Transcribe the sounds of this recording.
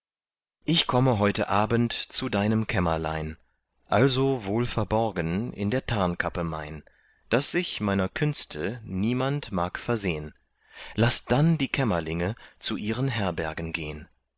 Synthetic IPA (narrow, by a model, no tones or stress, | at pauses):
ʔɪçkʰɔməɦɔʏtəʔaːbəntt͡sudaɪnəmkʰɛmɐla̰ɪn | ʔalzovoːlfɛɐbɔɐɡənɪ̰ndeːɐtʰaɐnkʰapəma̰ɪn | d̥asz̥ɪçmaɪnɐkʰʏnstʰəniːmantmaːkfɛɐzeːən | lasd̥andiːkʰɛmɐlɪŋət͡suʔiːʁənɦɛɐbɛɐɡn̩ɡḛːən